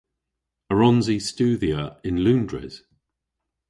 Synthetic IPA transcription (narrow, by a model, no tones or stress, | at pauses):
əɹɒ̃nzist͡ʃʉːðiəɪ̃nlʉ̃ːndɹɪ̰z̥